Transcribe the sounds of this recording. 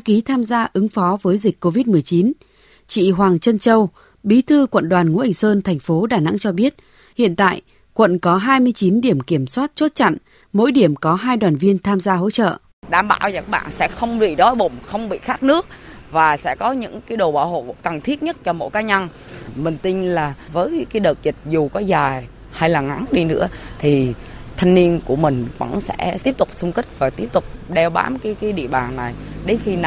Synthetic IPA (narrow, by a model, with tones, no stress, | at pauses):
ki˨˦t̪ʰaː˧mzaː˧ʔɨ˨˦ŋfɔ˨˦vəː˨˦jzï˨˩k̟̚ʲkːo˧vi˦˥t̚mɨ˨˩əjt͡ɕi˨˦n | t͡ɕḭ˧˨ɦwaː˨˩ŋt͡ɕə˧nt͡ɕə˧w | ɓi˨˦t̪ʰɨ˧kwə̰˧˨nɗwaː˨˩nŋṵ˧˥ʔa˨˩ŋ̟səː˧nt̪ʰɛ˨˩jŋ̟fo˨˦ɗaː˨˩na̰˧˥ŋt͡ɕɔ˧ɓi˦˥ət̚ | hḭ˧˨ənt̪a̰ː˧˨j | kwə̰˧˨nkɔ˨˦ɦaː˧jmɨ˧əjt͡ɕi˨˦nɗi˧˩əmki˧˩əmswaː˦˥t̚t͡ɕo˦˥t̚t͡ɕa̰˧˨ŋ | mo̰˧˥jɗi˧˩əmkɔ˨˦ɦaː˧jɗwaː˨˩nvi˧ənt̪ʰaː˧mzaː˧ɦo̰˧˥t͡ɕə̰ː˧˨ | ɗaː˧˩mɓa̰ː˧˨wzə˨˧˩k̚ɓa̰ː˧˨nsɛ̰˧˥xə˧wŋ͡mɓḭ˧˨ɗɔ˨˦jɓʊ˨˩ŋ͡mxə˧wŋ͡mɓḭ˧˨xaː˦˥k̚nɨ˦˥ək̚ | vaː˨˩sɛ̰˧˥kɔ˨˦ɲɨ̰˧˥ŋkaː˨˦jɗo˨˩ɓa̰ː˧˩who̰˧˨ka˨˩ŋt̪ʰi˦˥t̚ɲə˦˥t̚t͡ɕɔ˧mo̰˧˥jkaː˨˦ɲa˧n | mï˨˩ŋ̟t̪ï˧ŋ̟laː˨˩vəː˨˦jkaː˨˦jɗəː˨˩t̚zi˨˩t̚zu˨˩kɔ˨˦zaː˨˩j | ha˧jlaː˨˩ŋa˨˦ŋɗi˧nɨ̰˧˥ət̪ʰi˨˩t̪ʰa˧jŋ̟ni˧ənku˧˩əmï˨˩ŋ̟və̰˧˥nsɛ̰˧˥i˦˥əp̚t̪ʊ˨˩k͡p̚sʊ˧ŋ͡mkï˦˥k̚vaː˨˩t̪i˦˥əp̚t̪ʊ˨˩k͡p̚ɗɛ˧wɓa̰ː˨˦mkaː˨˦jkaː˨˦jɗḭ˧˨əɓaː˨˩ŋna˨˩jɗe˨˦xi˧n˨